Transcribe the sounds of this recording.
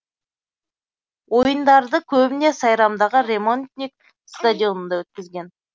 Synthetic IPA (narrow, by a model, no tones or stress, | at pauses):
wʔo̞jənd̪ɑɾd̪əkʲʰɵbɪne̞sɑjɾɑmd̪ɑʁəɾʲe̞mo̞nt̪nʲik̚ | st̪adʲijo̞nənd̪ɑwɵt̪̚kʲɪzɡʲe̞n